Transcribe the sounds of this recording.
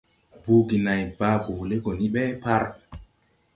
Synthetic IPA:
bu˨˦ɡi˨na˨jba˦bo˨le˦ɡɔ˨ni˦ɓɛ˦pa˦ɾ

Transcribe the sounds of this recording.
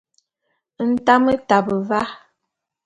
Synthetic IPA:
n̩˦ta˦mə˦ta˨bə˨va˦

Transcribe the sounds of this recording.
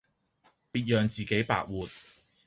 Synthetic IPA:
piː˧t̚jœː˨ŋt͡siː˨ke˨˥jpa̰ː˧k̚wuː˨˩t̚

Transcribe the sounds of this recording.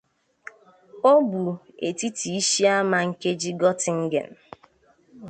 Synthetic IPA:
o˦bu˨ḛ˨ti˦tʰi˨i˦ʃi˦a˦ma˨ŋ̩˨ke˦d͡ʒi˦ɡɔ˦tɪ˨ŋ̩˦ɡḛ˨n̩˨

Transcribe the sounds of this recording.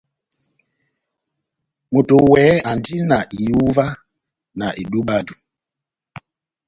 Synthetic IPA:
mo˨to˨wɛ˨˦a˨ndi˦na˨ʔi˨u˦va˦ | na˨ʔi˨ɗu˦ɓa˦du˨

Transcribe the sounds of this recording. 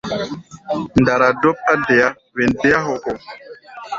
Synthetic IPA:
nda˨ɾa˨do˦p̚a˦de˨ja˦ | ve˨nde˨˦a˦ɦo˨ko˨

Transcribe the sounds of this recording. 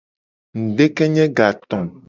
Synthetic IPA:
ŋ̩˨ɖe˦kɛ˦ɲɛ̃˦ɡa˨t̪ɔ̃˨m

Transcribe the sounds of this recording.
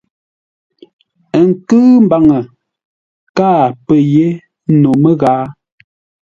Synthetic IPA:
ə˨ŋ̩˨kɨː˦m̩˦ba˨ŋə˨ | kaː˦˨pə˨je˦ | no˨mə˦ɣaː˨˦

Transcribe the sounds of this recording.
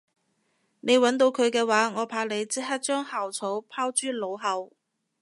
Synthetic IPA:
ne˨˧jwɐ˨˥nt̪̬o˧wkʰɵ˨˧ɥkɛː˧waː˨˥ŋɔː˨˧pʰaː˧le˨˧jt͡siː˥ɦɐ˥t̚t͡ʃœː˥ŋhaː˨wt͡sʰo˨˥wpʰaː˥wt͡ʃyː˥lo˨˧wɦɐ˨˧w

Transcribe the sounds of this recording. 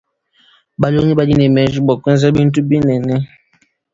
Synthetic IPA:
ba˨lo˦ŋi˦ba˦di˦nɛ˨mɛ˨˦ʒi˦bɔ˨kwɛ˦nza˦bi˦n̩˦t̬u˦bi˦nɛ˨nɛ˦

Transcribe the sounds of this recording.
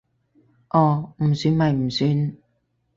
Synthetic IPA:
ʔɔː˨˧m̩˨˩syː˨˧nmɐ˨jm̩˨˩syː˧n

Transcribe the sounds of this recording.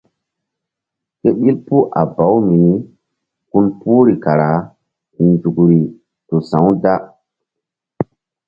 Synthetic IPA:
ke˦ɓi˦lpu˦ʔa̰˨ba˨˦wmi˨ni˦ | ku˦npu˦ɾi˨ka˨ɾa˨˦ | ku˨nd͡ʒu˨kɾi˨ | to˨sã˨˦wda˦

